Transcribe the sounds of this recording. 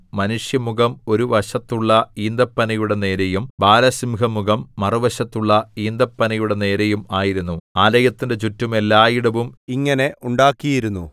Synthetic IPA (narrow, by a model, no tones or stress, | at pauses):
mɐnuʂjɐmuɣɐmo̞ɾuʋɐɕɐt̪ːuɭːɐiːnd̪ɐpːɐnɐjuɽe̞ne̞ːɾejumbaːlɐsimɡɐmuɣɐmːɐruʋɐɕɐt̪ːuɭːɐiːnd̪ɐpːɐnɐjuɽe̞ne̞ːɾejumaːjiɾunːuaːlɐjɐt̪ːindet͡ɕutːume̞lːaːjiɽɐʋumiŋːɐne̞ʔuɳɖaːkːijiɾunːu